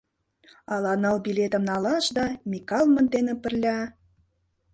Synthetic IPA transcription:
ɑlɑnɤlbilʲet̪ə̆mnɑlɑʃd̪ɑmʲikɑlˠmə̆nd̪enĕpə̆rlʲɑ

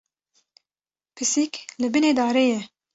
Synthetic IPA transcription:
pʰɨsiklɨbɨneːd̪ɑːɾeːjɛ

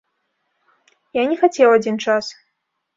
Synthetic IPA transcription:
janʲɛxat͡sʲɛwad͡zʲint͡ʂas

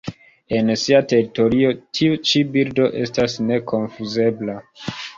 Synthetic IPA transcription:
e̞nsiate̞ɾito̞ɾio̞tʰiut͡ʃibiɾdo̞ʔe̞stasne̞ko̞nfuze̞bla

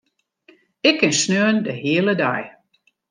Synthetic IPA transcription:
ɪkːɪnsnøəndəɦiələda̰j

